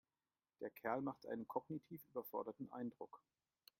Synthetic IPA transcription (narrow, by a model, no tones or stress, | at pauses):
d̥eːɐkʰɛɐlmaχtʔa̰ɪnənkʰɔɡnitʰiːfʔyːbɐfɔɐɾɐtn̩ʔa̰ɪndʁʊk